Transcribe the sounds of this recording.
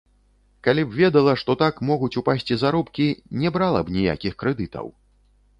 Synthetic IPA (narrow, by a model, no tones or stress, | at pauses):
kalʲibvʲɛd̪ɐlˠɐʂt̪ɔt̪akmɔɣut͡sʲupasʲt͡sʲizaɾɔpkʲinʲɛbɾalˠɐ̰bnʲija̰kʲixkɾɛd̪ɨt̪ɐ̰w